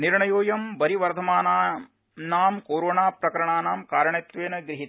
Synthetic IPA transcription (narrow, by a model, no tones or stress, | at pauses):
niɾɳɐjoːjɐmbɐɾiʋɐɾd̪ʱɐmaːnaː | naːmkoːɾoːɳaːpɾɐkɐɾɐɳaːnaːmkaːɾɐɳeːt̪ʋeːnɐɡɾiɦit̪